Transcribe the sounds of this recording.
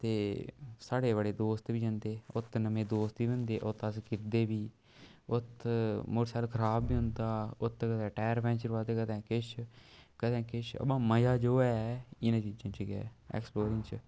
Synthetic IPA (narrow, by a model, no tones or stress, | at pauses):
t̪eːsaːɽeːbəɽeːd̪oːst̪ʋiːd͡ʒãːnd̪eːʊt̪nəmẽːd̪oːst̪ʋiːbə̃nd̪eːʔʊt̪ːəskɪɾd̪eːbiː | ʊt̪mʊɾsaːlkʰəɾaːbːiːɦʊ̃nd̪aːʊt̪kət̪ɛ̃ːʈɛːɾpɛ̃ːnt͡ʃəɾʋaːd̪eːkət̪ɛ̃ːkɪʃʰkət̪ɛ̃ːkɪʃə̰bãːməjaːd͡ʒoːɛːɪnãːt͡ʃiːd͡ʒãːt͡ʃəɡɛ̰ːɛ̰ːksploːɾɪŋt͡ʃ